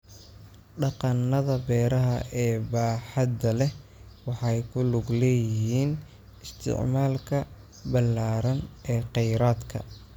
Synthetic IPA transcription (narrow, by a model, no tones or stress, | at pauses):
ɖɑqɑnːɐðɐbɛːɾɐɦɐʔɛːbaːħɑd̪ɐlɛwɑħɑjkʰʊlʊɡlɛːjɪɦiːn | ɪst̪ʰɪ̰ʕmaːlkʰɐ | bɐlːaːɾɐnɛːqɛjɾaːd̪kʰɐ̰